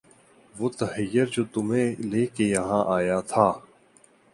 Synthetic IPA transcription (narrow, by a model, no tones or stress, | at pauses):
ʋoːt̪ɐɦəjəɾd͡ʒoːt̪ʊmẽːleːkejɐɦãːʔaːjaːt̪ʰaː